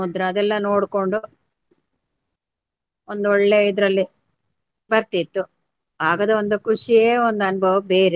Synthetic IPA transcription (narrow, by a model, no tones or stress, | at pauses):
ud̪ɾɐɐd̪ɛlːɐno̞ːɽko̞ɳɖu | ond̪uɔɭːeid̪ɾɐlːi | bɐɾt̪it̪ːu | aːɡɐd̪ɐond̪ukuʂieːond̪ɐnbʱɐʋɐbe̞ːɾe